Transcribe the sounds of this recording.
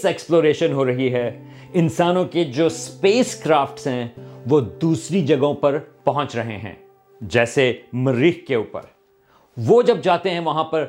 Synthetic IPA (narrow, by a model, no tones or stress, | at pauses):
sɛːksploːɾeːʃənɦoɾɐɦiɦɛː | ɪ̃nsaːnõked͡ʒoːspeːskɾaːfʈsɦɛ̃ʋoːd̪uːsɾid͡ʒɐɡõpɐɾpɐɦɔ̃t͡ʃɾɐɦḛɦɛ̰̃ː | d͡ʒɛːsemɐɾɪɦkeuːpə̰ɾ | ʋoːd͡ʒɐb̚d͡ʒaːt̪eɦɛ̃ʋɐɦãpɐɾ